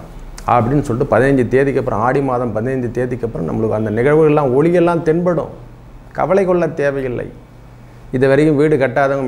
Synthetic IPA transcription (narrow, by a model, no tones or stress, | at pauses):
ɐ̰pːɐɽɪnːɯsɔɭʈːɯpɐðɪnɐɲd͡ʒɯt̪eːðɪkːɐpːɯɾɐ̰̃aːɽɪmaːðɐmpɐðɪnɐɲd͡ʒɯt̪eːðɪkːɐpːɯɾɐ̰̃mnɐ̰mːɐɭɯkːɯɐnd̪ɐnɪɣɐɻʋɯɣɐɭlːãːɔɭɪjɛlːãːmt̪ɪɳbɐɽʊ̰̃ | kɐ̰ʋɐlɐɪkɔɭːɐt̪eːʋɐjɪlːɐ̰ɪ | ɪðɐʋɐɾɐjɯmʋiːɽɯkɐʈːaːðɐŋɡɐ